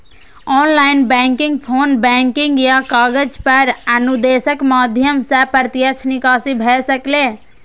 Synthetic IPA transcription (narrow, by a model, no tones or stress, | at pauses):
ɔːnlaɪnbɛ̃ŋkiŋɡ̚pʰoːnbɛ̃ŋkiŋɡjakaːɡəd͡ʒpəɾənud̪esəkmad̪ʱjəmsəpəɾt̪jət͡ʃʰnikaːsibʱɛsəkle